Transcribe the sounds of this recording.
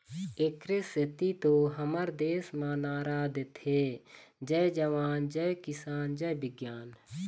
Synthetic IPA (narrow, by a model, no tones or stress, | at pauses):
ekɾɪsɪt̪it̪oːɦəməɾd̪eːsmãːnaːɾaːd̪et̪ʰe | d͡ʒɛed͡ʒəʋaːnd͡ʒɛekɪsaːnd͡ʒɛbɪɡjaːn